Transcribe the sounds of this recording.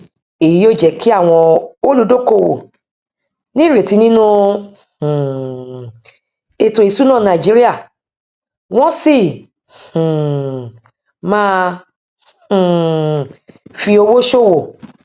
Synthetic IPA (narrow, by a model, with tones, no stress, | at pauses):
e˨ji˨˦o˦˨d͡ʒɛ˧˨ki˦a˦˨w̃ɔ̃˧o˦lu˨˦do˦˨ko˧˨wo̰˨ | nĩ˦˨ɾe˨ti˧nĩ˦nũ˦˨ | e˨tõ˨i˨su˦nãː˦˨nã˧˨d͡ʒi˦ɾi˦a˦˨ | w̃ɔ̃˦sĩ˦˨ | mãː˦˧˨ | fi˧o˧wo˦ʃo˦˨wo˨